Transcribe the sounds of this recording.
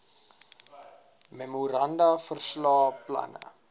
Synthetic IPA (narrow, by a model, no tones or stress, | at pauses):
memuɾɐndɐfərslɑːplɐ̰nə̰